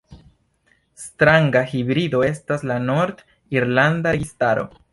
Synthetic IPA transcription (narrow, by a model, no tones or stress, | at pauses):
stɾaŋɡahibɾido̞e̞staslano̞ɾd | iɾlandaɾeɡistaɾo̞̰